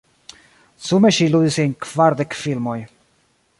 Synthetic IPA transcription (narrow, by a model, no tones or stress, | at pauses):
sumeʃilud̪iseŋkvaɾd̪ekfilmoj